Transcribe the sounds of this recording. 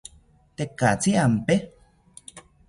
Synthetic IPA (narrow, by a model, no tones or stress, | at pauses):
t̪ekat͡siampe